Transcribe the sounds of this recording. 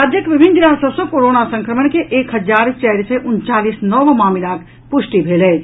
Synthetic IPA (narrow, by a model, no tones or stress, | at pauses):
ad̪ʱjəkʋɪbʱɪnd̪ɪnasəsokoːɾoːnasə̃ŋkɾəməɳkeʔeːkhəd͡ʒaːɾt͡ʃɛɦɾseʔʊnt͡ʃaːliːsnɔʋmaːmilak | pʊʃʈibʱeːlɛː